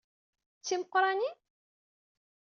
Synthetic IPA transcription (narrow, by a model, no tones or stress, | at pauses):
t͡sːiməqɾˤɑni